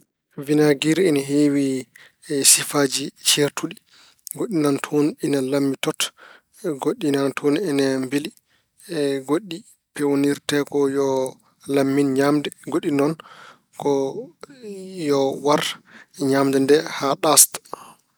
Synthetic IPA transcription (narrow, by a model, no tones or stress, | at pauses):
vinaɡiɾɛnaɦewi | sifaːd͡ʒit͡ʃeɾtʰuɗi | ɡoɗːinantʰoninalamːitɔt | ɡoɗːinantʰonɛnɛmbili | ɡoɗːi | pɛwoniɾtɛkɔjɔ | lamːinɲamdɛɡoɗinɔn | kɔ | jɔwaɾɲamdɛndɛhaɗast